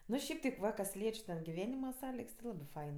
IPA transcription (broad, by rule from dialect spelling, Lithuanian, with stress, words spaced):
ˈnʊ ˈʃʲɛɪp tʲɛɪp ˈʋɐ kɐs ˈlʲiɛt͡ʃʲ tʲɛn ɡʲɪˈʋʲæːnʲɪmɐ ˈsɑːlʲɪks tʲɪ ˈlˠɑːbɜ ˈfɐɪn